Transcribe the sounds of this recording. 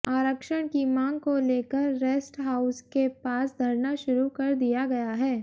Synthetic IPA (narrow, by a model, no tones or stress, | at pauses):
aːɾəkʃəɽ̃kimãːŋɡ̚koleːkəɾːeːsʈɦaːʊskepaːsd̪ʱɐɾnaʃʊɾukɐɾd̪ijaɡɐjaɦɛː